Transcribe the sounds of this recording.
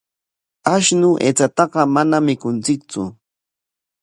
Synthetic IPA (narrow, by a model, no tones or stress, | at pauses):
aʃnʊʔḛt͡sat̪ɑɢɑmanamɪkʊnt͡sɪk̚t͡sʊ̰